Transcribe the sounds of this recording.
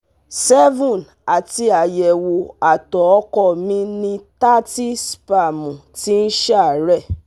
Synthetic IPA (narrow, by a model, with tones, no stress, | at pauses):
sɛ˦vũ˦˨n | a˨ti˧a˨jɛ˨wo˨a˨tɔ˨ɔ˦kɔ˦˨mĩ˧nĩ˧ta˦ti˦spa˨mũ˨ti˦n̩˦ʃɛ˦˨ɾɛ˦˨